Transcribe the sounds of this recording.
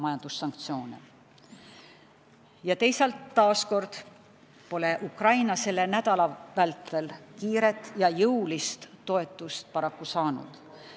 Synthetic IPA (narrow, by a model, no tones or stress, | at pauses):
mɑjɑnd̪̥usːɑŋk̚t̪sio̞ːnḛ | jɑt̪e̞jsɑlt̪ːɑːsko̞rd̪̥ | po̞le̞ʔukrɑjnɑse̞le̞næd̪̥ɑlɑvælt̪ːˑe̞lkiːɾe̞t̪ːˑjɑjɤwlist̪ːo̞e̞t̪ːˑust̪̚pɑɾɑkːusɑːnṵd̪̥